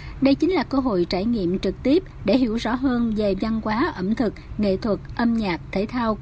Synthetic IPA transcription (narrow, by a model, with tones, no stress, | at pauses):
ɗə˧jt͡ɕï˨˦ŋ̟laː˨˩kəː˧ɦo̰˧˨jt͡ɕaː˧˩jŋḭ˧˨əmt͡ɕɨ˨˩k̚t̪i˦˥əp̚ɗe˧˩ɦḭ˧˩wzɔ̰˧˥ɦəː˧nve˨˩va˧nkwaː˨˦ʔə˧˩mt̪ʰɨ˨˩k̚ŋḛ˧˨t̪ʰwə˨˩t̚ʔə˧mɲaː˨˩k̚t̪ʰe˧˩t̪ʰaː˧w